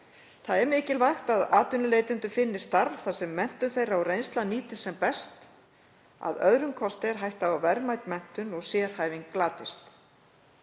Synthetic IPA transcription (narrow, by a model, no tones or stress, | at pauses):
θaðɛɾmɪːcɪlvajxt̪aðaːt̪ʏnʏleːjt̪ʏnt̪ʏfɪnːɪst̪aɾvθasɛmːɛn̥t̪ʏθejraɔwrejnst̪laniːt̪ɪ̥sɛmpɛst̪ | a̰ðœðɾʏŋkʰɔst̪ɪɾ̥ɦajht̪aavɛɾmajt̪mɛn̥t̪ʏnɔɣsjɛːɾ̥haːjvɪŋklaːt̪ɪst̪